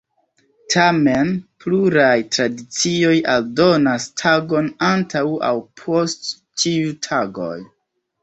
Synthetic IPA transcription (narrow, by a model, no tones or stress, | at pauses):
tʰamenpluɾajtɾadit͡sio̞jaldo̞nastʰaɡo̞nantawa̰wpʰo̞st | t͡ʃiutʰaɡo̞̰j